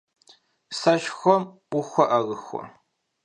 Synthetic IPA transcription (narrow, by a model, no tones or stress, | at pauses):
sɐʃxʷɔmʷ | ʊxʷɔʔɐɣɨxʷɔ̰